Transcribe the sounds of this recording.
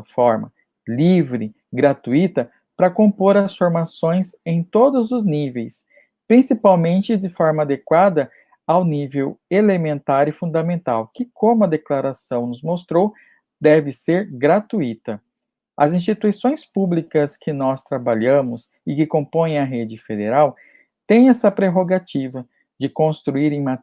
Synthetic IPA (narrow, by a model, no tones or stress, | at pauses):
ɐfɔɾmɐ̰ | livɾɪ | ɡɾat̪uit̪ɐ | pɾɐkõmpoɾɐsfoɾmasõj̃sẽj̃t̪od̪ʊzʊznivejs | pɾĩsipawmẽnt͡ʃɪd͡ʒɪfɔɾmɐad̪ekwad̪ɐ | awnivewelemẽnt̪aɾɪfũd̪ɐmẽnt̪awkɪkʰõmʊɐd̪eklaɾasɐ̃w̃nʊzmost̪ɾow | d̪ɛvɪseɾɡɾat̪uit̪ɐ | ɐzĩst͡ʃit̪uisõj̃spublikɐskɪnɔst̪ɾabaʎɐ̃mʊz | ɪkɪkõmpõjẽj̃ɐɦed͡ʒɪfed̪eɾaw | t̪ẽj̃ɛsɐpɾeɦoɡat͡ʃivɐ | d͡ʒɪkõst̪ɾuiɾẽj̃ma